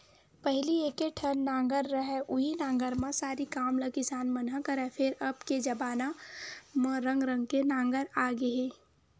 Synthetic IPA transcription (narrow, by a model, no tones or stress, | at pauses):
pɛɦlieːkeʈʰənːãːŋɡəɾːəɦɛʔʊɦinãːŋɡəɾmãsaːɾikaːmləkɪsaːnmɐnɦəkɐɾɛfʰɪɾɐbked͡ʒɐbaːnamɾə̃ŋɡɾə̃ŋɡ̚kenãːŋɡəɾaːɡeɦẽː